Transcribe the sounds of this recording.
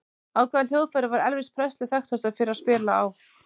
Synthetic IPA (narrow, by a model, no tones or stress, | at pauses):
awkvaðnl̥jowðfɛɾɪvaɾɛlvɪ̥st̪̚pʰɾɛst̪lɪθɛxt̪ast̪aɾfɪɾɪɾaspɪːlaːw